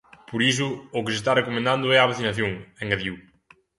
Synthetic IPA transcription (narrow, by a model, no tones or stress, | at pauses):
poɾis̬ʊːkɪsɪst̪arekomẽnd̪ãnd̪ʊɛaβaθinaθjoŋeŋɡaðjiuw